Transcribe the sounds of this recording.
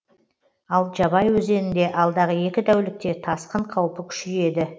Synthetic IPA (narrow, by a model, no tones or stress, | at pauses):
ɑlˠʒɑbɑjwɵze̞nɪnd̪e̞ʔɑlˠd̪ɑʁəje̞kʲɪd̪æwlɪk̚t̪e̞t̪ʰɑsqəɴqʰɑwpəkʲʰʏ̥ʃɪe̞d̪ɪ